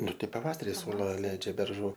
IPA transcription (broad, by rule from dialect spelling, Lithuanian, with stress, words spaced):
ˈnʊ ˈtɐɪ pɐˈʋɑːsɐrʲɪ ˈsʊlˠɐ ˈlʲɛɪd͡ʒʲɛ bʲɛrˈʒuː